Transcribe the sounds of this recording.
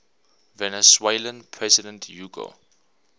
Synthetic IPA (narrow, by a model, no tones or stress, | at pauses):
vɛnɛswelə̃npʰɹɛzɪdɛ̃ntʰjuːɡo̰